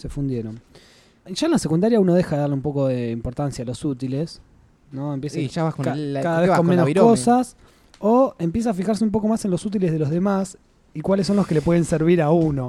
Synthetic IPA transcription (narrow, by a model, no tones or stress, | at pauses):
se̞fund̪je̞ɾon | ʒ̥aenlase̞kund̪aɾjauno̞ð̞exaðeðaɾleumpo̞ko̞ðe̞impo̞ɾt̪ansjaːlo̞sut̪ile̞s | noempjesaʃaβakokakaðaaβekkommenokosas | oe̞mpjes̬aːfixaɾs̬eumpo̞ko̞mase̞nlo̞sut̪̬ileð̞e̞lo̞ðe̞mas | ikwalesːo̞nlo̞skele̞p̬we̞ðe̞nseɾβ̞iɾauno̞